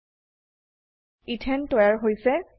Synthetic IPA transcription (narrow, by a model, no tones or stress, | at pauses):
itʰɛntɔjaɹɦojsɛ